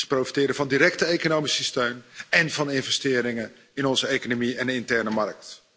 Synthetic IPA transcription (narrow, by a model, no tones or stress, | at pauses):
sə̥prowfi̥tɪːɾəvɑndiɾɛktəejkonowmisəstøɥnɛnvɑnɪnvɛstɪːɾɪŋə | ɪnɔnzəejkonomiɛndəɪntɛɹnəmɑrk̚t